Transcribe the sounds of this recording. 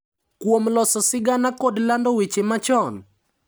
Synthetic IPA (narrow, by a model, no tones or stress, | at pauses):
kwomlɔsɔsɪɡanakodlandɔwit͡ʃemat͡ʃɔn